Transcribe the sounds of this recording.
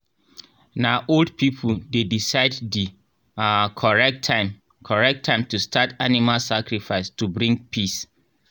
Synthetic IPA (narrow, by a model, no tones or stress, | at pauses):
naʔoldpʰipʰuldedisaɪddi | kʰɔɹɛk̚tʰãɪ̃m | kʰɔɹɛk̚tʰːãɪ̃mtustʰatanimalsakɹifaɪstubɹĩŋɡpʰis